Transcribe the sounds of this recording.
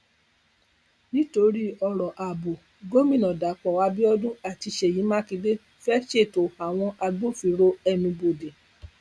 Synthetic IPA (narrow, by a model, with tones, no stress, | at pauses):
nĩ˦to˧ɾi˦ɔ˧ɾɔ˨ʔa˨bo˨ | ɡo˦mĩ˦˨nɔ̃˨da˨˦k͡pɔ˨wa˨˦bi˦ɔ˦dũ˦a˨ti˧ʃe˨ji˨˦mã˦ki˧de˦ | fɛ˦ʃe˦˨to˨a˨w̃ɔ̃˧ʔa˧ɡ͡bo˦fi˧˦ɾo˦ɛ˧mĩ˧bo˨de˨